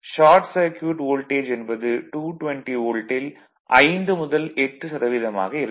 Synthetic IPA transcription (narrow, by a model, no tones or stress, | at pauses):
ʃaːɾʈsɐɾkjuʋɪʈoːlʈeːd͡ʒɛnbɐðɯʈuːʈʋɛɳʈioːlʈɪl | ʔɐɪnd̪ɯmʊðɐlɛʈːɯsɐɾɐʋɪðɐma̰ːɣɐɪɾɯ